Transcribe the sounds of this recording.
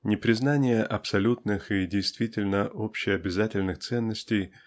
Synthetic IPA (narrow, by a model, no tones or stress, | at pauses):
nʲɪpɾʲɪznanʲɪjəʔɐpsɐlʲut̪nɨxidʲɪjst̪vʲitʲɪlʲnəʔopɕɪjɐbʲɪzatʲɪlʲnɨxt̪sɛnːəsʲtʲɪj